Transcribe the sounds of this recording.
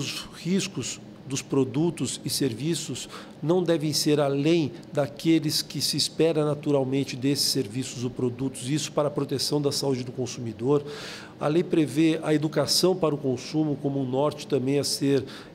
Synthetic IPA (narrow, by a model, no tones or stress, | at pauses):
ʊshiskʊz | d̪ʊspɾod̪ut̪ʊzɪseɾvisʊz | nɐ̃w̃d̪ɛvẽj̃seɾalẽj̃d̪akelɪskɪsɪːspɛɾɐ̃nat̪uɾawmẽnt͡ʃɪd̪esɪ̥sːeɾvisʊzʊpɾod̪ut̪ʊzisʊ̥paɾɐpɾot̪esɐ̃w̃d̪ɐsaud͡ʒɪd̪ʊkõsumid̪oɾ | a̰lejpɾeveɐed̪ukasɐ̃w̃paɾɐʊkõsũmʊkõmʊːnɔɾt͡ʃɪ̥t̪ɐ̃mbẽj̃aseɾ